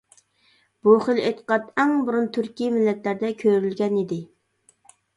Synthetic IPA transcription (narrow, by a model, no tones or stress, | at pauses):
b̥uχəlet̪ə̥qɑt̪ɛŋbuɾunt̪ʰyɾkʲimɪlːɛt̪læɾd̪ɛkʲʰøɾylɡʲɛnid̪ɪ